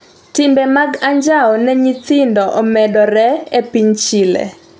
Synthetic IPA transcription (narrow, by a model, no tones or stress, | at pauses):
tɪmbɛmaɡaɲd͡ʒaɔnɛɲit̪ɪndɔʔɔmɛdɔɾɛepiɲt͡ʃilɛ̰